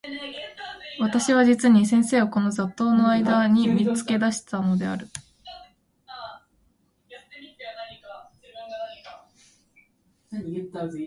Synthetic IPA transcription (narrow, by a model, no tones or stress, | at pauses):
βat̪aɕiβ̞ad͡ʑit͡sɨɲ̟is̬ẽ̞ɰ̃se̞ːoko̞no̞zat̪ːo̞ːno̞aid̪aɲ̟imʲit͡sɨ̥ke̞d̪aɕi̥t̪ano̞d̪e̞a̰ɾɯ̟